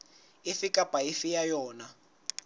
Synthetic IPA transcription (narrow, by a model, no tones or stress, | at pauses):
ifikapʼaifijajɔːna